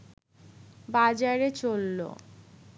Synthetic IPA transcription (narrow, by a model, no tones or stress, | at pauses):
bad͡ʑaɾet͡ɕolːo̰